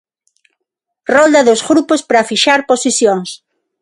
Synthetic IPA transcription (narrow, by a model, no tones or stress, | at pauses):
rɔld̪ɐðʊzɣɾupospɾɐfiʃaɾposisjoŋs